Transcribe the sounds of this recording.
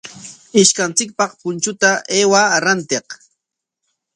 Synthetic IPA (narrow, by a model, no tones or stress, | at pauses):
ɪʃkant͡sɪk̚pɑqpʊnt͡ʃʊt̪aʔeːwaɾant̪eq